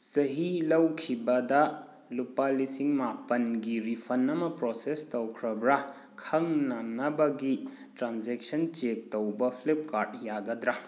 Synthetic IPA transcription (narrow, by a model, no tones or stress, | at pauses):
sɐɦilɐwkʰibɐdɐ | lupalisiŋmapɐnɡiɾipʰɐnːɐmɐpɾosestɐwkʰɾɐbɾa | kʰɐŋnaŋnɐbɐɡi | tɾanzek̚sɐnt͡ʃek̚tɐwbɐpʰlep̚kaɾd̚jaɡɐdɾa